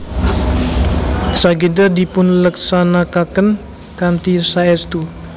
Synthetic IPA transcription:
saɡidərdipʊnləksanakakən | kant̪isaɛst̪u

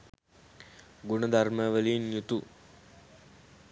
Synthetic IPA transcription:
ɡunəd̪arməʋəliːnjut̪u

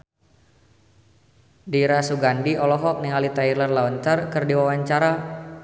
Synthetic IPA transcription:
diɾasuɡandiɔlɔɦɔk̚niŋalit̪ailərlaɔnt̪ərkɨrdiwawaɲt͡ʃaɾa

